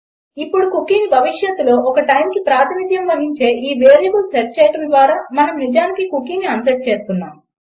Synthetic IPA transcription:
ipːuɽukukinibʱɐʋiʂjɐt̪ːulo̞ːʔɔkɐʈɐjmkipɾaːt̪ʰinit̪jɐmʋɐɾiɲt͡ʃe̞ːʔiːʋeːɾiɡulsɐɾt͡ʃːɛːjɐʈɐmd̪ʋaːɾaːmɐnɐmnid͡ʒaːnikikukinːiɐnt̪ɐʈ̚t͡ʃe̞ːst̪unːaːm

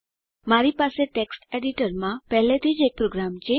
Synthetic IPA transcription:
maɾipaseʈeksʈeɽiʈəɾmãpɛɦlet̪ʰid͡ʒek̚pɾoɡɾamt͡ʃʰe

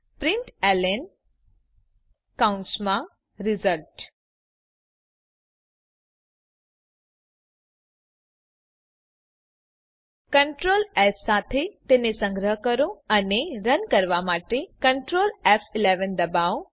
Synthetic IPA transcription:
pɾɪ̃ɳʈɛlen | kaʊ̃ɳʈsmã | ɾɪzəlʈ | kəɳʈɾoːlɛssat̪ʰet̪enesə̃ŋɡɾəɦkəɾõəneɾənkəɾʋamaʈekəɳʈɾoːlɛfʰɪleʋənd̪əbao

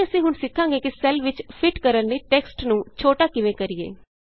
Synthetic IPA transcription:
əsĩːɦʊnsɪkʰːãːŋɡeːkɪsɛlʋɪt͡ʃpʰɪʈkəɾənːiːʈɛːksʈnũːt͡ʃʰoːʈaːkɪʋẽːkəɾɪjḛː

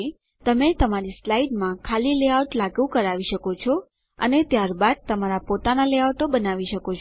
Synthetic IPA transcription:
t̪əmet̪əmaɾislaiɖmãkʰalileawʈlaɡʋũkəɾaʋiʃəkot͡ʃʰɔ | ə̰net̪jaɾbad̪̚t̪əmaɾapot̪analeawʈobənaʋiʃəkot͡ʃʰ

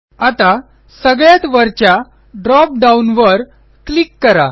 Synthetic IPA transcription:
at̪a | səɡɭjat̪ʋəɾt͡ɕja | ɖɾɔp̚ɖaunʋəɾ | klikːəɾa̰

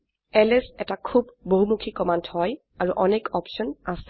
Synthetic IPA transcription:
ɛlɛsɛtakʰubːoɦumukʰikɔmanthɔj | aɹuʔɔnekɔpʃɔnas

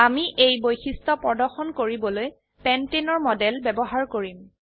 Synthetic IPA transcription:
amiʔejbojxistɔpɹɔdɔɹxɔnkoɹibɔloj | pɛntenɔɹmɔdɛlbɛbɔɦaɹkoɹim

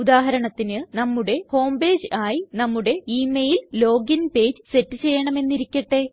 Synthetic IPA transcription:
ud̪aːɦɐɾɐɳɐt̪ːinɨnɐmːuɽe̞ho̞ːmbe̞ːd͡ʑaːjinɐmːuɽe̞iːmejillo̞ːɡinpe̞ːd͡ʑɨse̞tːɨt͡ɕe̞jːɐɳɐme̞nːiɾikʲːɐʈːe̞

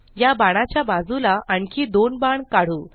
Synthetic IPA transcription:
jabaɽ̃at͡ɕjabad͡zulaʔaɳkʰiːd̪onbaɳkaɽ̤uː

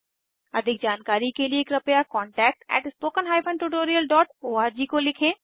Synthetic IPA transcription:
ɐd̪ʱɪk̚d͡ʒaːnkaːɾikelieːkɾɐpjakɔ̃ːɳʈɛːk̚ʈɛ̰ːʈspoːkənɦaːjpʰə̃nʈuʈoːɾijəlɖɔːʈoːaːɾd͡ʒikolɪkʰẽː

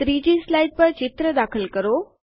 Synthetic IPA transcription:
t̪ɾiːd͡ʑiːslajɖ̚pəɾt͡ɕɪt̪ɾəd̪aːkʰəlkəɾoː

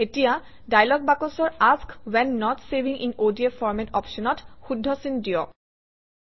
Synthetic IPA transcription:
etija | dajlɔɡ̚bakɔsɔɹaskwɛnːɔtsebiŋʔḭnodiefɔɹmɛntɔ̰pʃɔnɔtxudʱːɔsindijɔ̰

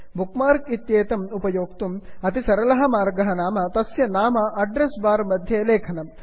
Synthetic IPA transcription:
bʱukmaːɾkit̪jeːt̪ɐmupɐjoːkt̪umɐt̪isɐɾɐlɐɦɐ̆maːɾɡɐɦɐnaːmɐt̪ɐsjɐnaːmɐɐɖɾesbaːɾmɐd̪ʱjeːleːkʰɐnɐm

